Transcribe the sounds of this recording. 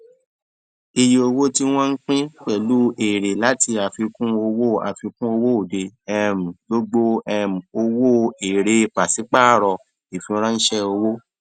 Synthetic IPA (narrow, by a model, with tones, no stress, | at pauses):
i˧ji˧o˧wo˦ti˦w̃ɔ̃˦n̩˦k͡pĩ˦k͡pɛ˦˨lu˦e˨ɾe˨la˨˦ti˧a˨fi˧kũ˦o˧wo˦a̰˨fi˧kũ˦o˧wo˦o˨de˧ɛ˦˨m̩˨ɡo˦ɡ͡bo˦ɛ˦˨m̩̃˨o˧wo˦e˨ɾe˧˨k͡pa˨si˨˦k͡pa˦˨ɾɔ˧ | i˨fĩ˧ɾã˦n̩˦ʃɛ˦o˧wo˦